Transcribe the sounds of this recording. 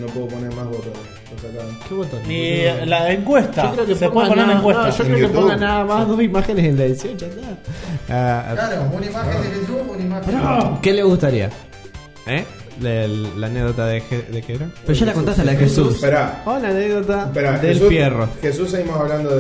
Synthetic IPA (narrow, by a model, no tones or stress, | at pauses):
nopweðoponeɾmazβot̪ot | eɾsakt̪amekeβot̪onilaeŋkwest̪ʒaokɾeokepeponeekwenoʃokɾekeponanaamazðosimaxenesenlaeðisjont͡ʃanaalaɾounaimaxeneket̪uunaimaokeleɣust̪aɾia̰ | e | elaneɡðot̪aðexeðekeeɾapeɾoʃalakont̪ast̪ealaðexesuspeɾaolaneɣðot̪apeɾaðelfjeroxesuseɣimosaβland̪o